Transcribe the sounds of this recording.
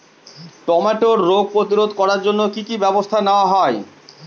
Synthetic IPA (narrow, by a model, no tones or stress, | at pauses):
ʈɔmaʈoɾːoɡ̚pɾot̪iɾod̪kɔɾaɾd͡ʑonːokikibɛbost̪ʰaneoaɦɔe